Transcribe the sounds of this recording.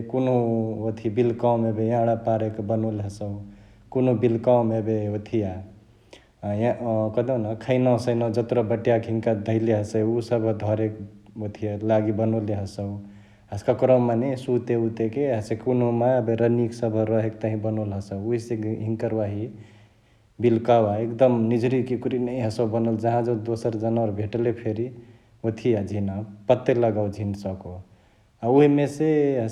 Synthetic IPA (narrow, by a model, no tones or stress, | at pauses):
kunɦũot̪ʰibilkawmebejãɽapaɾekbənolɦəsə | konɦũbilkawmebeot̪ʰija | jãkʌd̪enakʰəɪnɔsəjnɔd͡ʒət̪ɾɔbəʈjakɦiŋkad̪ʱəɪleɦəsəjusəbʱd̪ʱɔɾekot̪ʰijalaɡibənoleɦəsəw | ɦəsʰkakɾɔwmanesut̪eut̪ekeɦəsekunomabeɾəniksəbʱəɾəɦekt̪əɦĩbənolɦəsəwuɦiseɦĩŋkəɾwaɦi | bilkawaekd̪əmnid͡ʒɾikikuɾinəĩɦəsəwbənəld͡ʒəɦãd͡ʒəd̪osəɾd͡ʒənaɾbʱeʈlepʰeɾi | ot̪ʰijad͡ʒʱinapət̪ːeləɡawd͡ʒʱinsəko | auɦimeseɦə